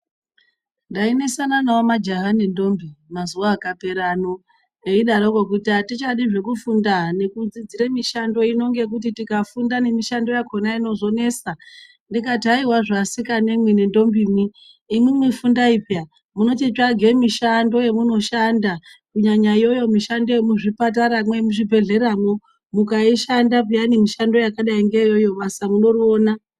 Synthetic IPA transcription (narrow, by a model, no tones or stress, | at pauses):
ndaine̞sananawomad͡ʒaɦanendo̞mbimazuwaːkape̞ɾano̞ | eiɗaɾokokutiatit͡ʃaɗiʐe̞kufundane̞kud͡zid͡ziɾemiʃando̞ino̞ŋɡe̞k̬ut̬itikafundane̞miʃando̞jako̞naino̞ʐo̞ne̞sa | ndikataiwaʐasikanemwine̞ndo̞mbimiː | mwimwifundaipja | muno̞tit͡ʃaɡʱe̞miʃando̞je̞muno̞ʃandakuɲaɲajo̞jo̞miʃando̞jemuʐipat̬aɾamwemuʐibʱe̞ɮe̞ramo̞ | mukaiʃandap̬ujanimiʃando̞jakaɗaiŋɡejo̞jo̞ɓasamuno̞rioːna